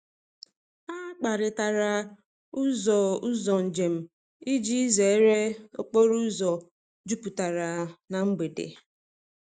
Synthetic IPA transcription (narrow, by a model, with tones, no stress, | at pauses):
a˦k͡pa˨ɾɪ˨ta˨ɾa˨ | u˦zɔ˨u˦zɔ˨n̩˨d͡ʒe˨m̩˨ | i˦d͡ʒi˦i˦ze˨˦ɾe˦o̰˦k͡po˦ɾu˦zɔ˨ | d͡ʒu˦pu˨ta˨ɾa˨na˨ŋ͡m̩˦ɡ͡be˨dḛ˨